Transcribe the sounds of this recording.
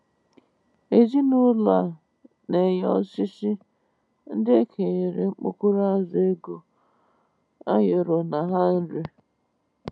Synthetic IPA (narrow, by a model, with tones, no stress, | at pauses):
e˨d͡ʒi˦nʊ˦la˨ | ne˨jɔ˦sɪ˦sɪ˦ | n̩˦dɪ˦e˦kʰe˨ɣe˨ɾe˨ŋ͡m̩˦k͡po̰˦˨kʷʊ˦ɾa˦˨ze˦ɡo˨ | a̰˦ɲe˨ɾo˨na˨ɦa˦n̩˦ɾɪ˦